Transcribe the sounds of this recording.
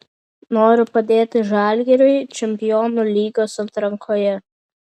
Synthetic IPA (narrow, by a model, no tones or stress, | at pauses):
noːɾʲʊpɐd̪ʲeːt̪ʲɪʒɑˑlʲɡʲɛɾʲʊɪt͡ʃʲɛmʲpʲɪjɔːnʊlʲiːɡoːsɐt̪ɾɐŋkʰoːjɛ